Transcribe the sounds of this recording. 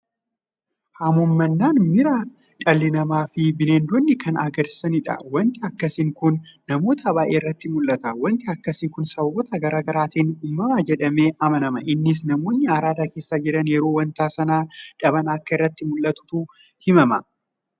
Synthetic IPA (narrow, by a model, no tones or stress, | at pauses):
hɐmɔmːɐnːaːnmɪɾaː | ᶑɐlːɪnɐmaːfɪbɪneːnd̪ɔnːɪkʰɐnɐɡɐɾsɐnɪᶑɐ̰wɐnt̪ɪɐkːɐsɪŋkʊnːɐmo̞ːt̪ʰɐbaːʔeːɪrːɐt̪ːɪmʊlːɐt̪ɐwɐnt̪ɪɐkːɐsɪkʊnsɐbɐwɔt̪ɐɡɐɾaːɡɐɾaːt̪iːnuːmːɐmaːd͡ʒɛᶑɐmeːʔɐmɐnɐmɐʔɪnːɪs̬nɐmo̞ːɲːɐɐɾaːd̪aːke̞ːsːaːd͡ʒɪɾɐnjɛɾoːwɐnt̪aːsɐnaːᶑɐbɐnɐkːɐɪrːɐt̪ːɪmʊlːɐt̪ʊ̥t̪uhɪmɐmɐ